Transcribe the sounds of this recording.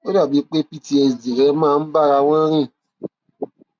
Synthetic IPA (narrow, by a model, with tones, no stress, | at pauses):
o˦da˨bi˨˦k͡pe˦pi˦ti˦e˨zi˨ɾɛ˨˦mãː˦˨m̩˦ba˦˨ɾa˧wʷã˦ɾĩ˦˨